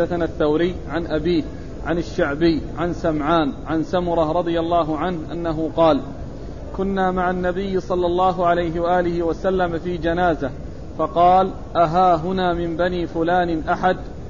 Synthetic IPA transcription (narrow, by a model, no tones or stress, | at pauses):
aθanaθːawɾɪjːʕanʔabiːh | ʕanaʃːaʕbɪjːʕansamʕaːnʕansamʊɾˤɑɾˤɑd̪ˤɨjalːɑːɦʊʕanhʔa̰nːaɦʊqɑːl | kʊnːaːmaʕanːabɪjːsˤɑlːɑlˤːɑːɦʊʕalajɦɪwaʔaːlɪhɪwasalːamfiːd͡ʒanaːza | fɑqɑːl | ʔaɦaːɦʊnaːmɪmbaniːfʊlaːnɪʔaħad̪